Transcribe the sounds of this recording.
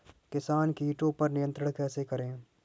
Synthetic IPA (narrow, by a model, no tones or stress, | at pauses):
kɪsaːnkiːʈõpɐɾnɪjə̃nt̪ɾəɽ̃kɛːsekɐɾẽː